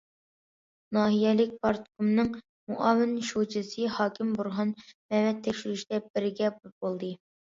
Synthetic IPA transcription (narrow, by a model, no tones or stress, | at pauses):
nɑːɦijɛlɪk̚ʲpɑɾt̪kumnɨŋ | muʔɑwɪnʃot͡ʃʰɨsɨhɑːkʲʰimbuɾɦɑnmɛmɛt̪ʰːekʲʃiɾyʃid̪̥ɛbɪɾɪɡʲɛbbolˠd̪ɨ